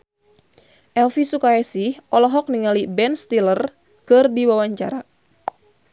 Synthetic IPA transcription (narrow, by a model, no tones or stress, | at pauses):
ʔɛlfisukaɛsihʔɔlɔɦɔk̚niŋalibɛnst̪ilər | kɨrdiwawaɲt͡ʃa̰ɾa